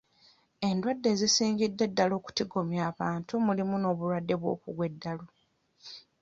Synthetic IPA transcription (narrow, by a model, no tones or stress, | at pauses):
e̞ndwadːe̞ːzisiːŋɡidːe̞dːalo̞ːku̥tiɡo̞mjaːβaːntumulimuno̞ːβulwadːe̞βwo̞̰ːkuɡwe̞dːalo̞